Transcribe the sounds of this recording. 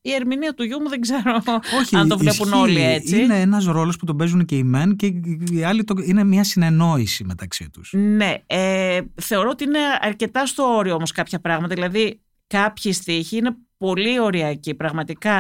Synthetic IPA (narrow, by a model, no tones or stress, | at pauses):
ie̞ɾminiɐt̪uʝumuðeɡze̞ɾo̞oçiɐɐnt̪o̞vle̞puno̞lie̞t͡sineenɐs̬ɾo̞lo̞sput̪o̞be̞zunceimenceiɐlit̪oine̞mɲɐsine̞no̞isime̞t̪ɐksit̪u̥sne̞eθe̞o̞ɾo̞ot̪iine̞ɐɾce̞t̪ɐst̪o̞o̞ɾioomo̞skɐpçɐpɾɐɣmɐt̪ɐðilɐði | kɐpçist̪içiine̞po̞lio̞ɾiɐcipɾɐɣmɐt̪ikɐ